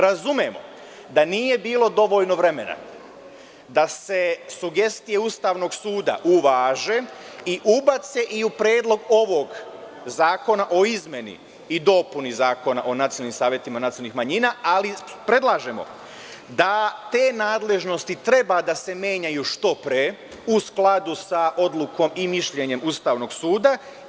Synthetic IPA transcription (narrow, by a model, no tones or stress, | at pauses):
ɾazumjemo̰ | d̪aniːje̞biːlˠo̞d̪o̞ʋo̞ːʎno̞ʋɾe̞me̞na̰ | d̪ase̞suɡe̞st̪ijeust̪aːʋno̞ɡsuːd̪a̰ʔuʋaːʒe̞ | iʔubat̪se̞ʔiupɾjeːd̪lˠo̞ɡo̞ʋo̞ɡ | zaːko̞naʔo̞izmje̞nḭ | id̪o̞punizaːko̞naʔo̞nat̪ionalːnimsaːʋjet̪imanat̪iolnixmaɲiːnaːalipɾe̞d̪lˠaːʒe̞mo̰ | d̪at̪e̞ːnaːd̪le̞ʒno̞st̪it̪ɾe̞bad̪ase̞mje̞ːɲajuʃt̪o̞pɾeː | usklad̪usaʔo̞d̪lˠuko̞mimiʃʎe̞ɲe̞must̪aːʋno̞ɡsuːd̪a